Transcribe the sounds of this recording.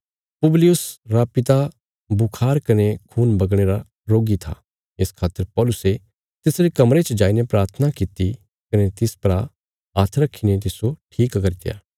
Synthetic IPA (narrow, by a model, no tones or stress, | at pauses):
pʊblɪjʊsɾapɪt̪a | bʊkʰaːɾkɐnekʰuːnbɐɡɽ̃eɾa | ɾoːɡit̪ʰa̰ | ɪskʰaːt̪ːəɾpɔːlʊse | t̪ɪsɾikɐmɾet͡ʃd͡ʒaːinepɾaːɾt̪ʰənakit̪i | kɐnet̪ɪspɾa | aːt̪ʰɾɐkʰːinet̪̬ɪsoʈʰiːkkɐɾt̪eja̰ː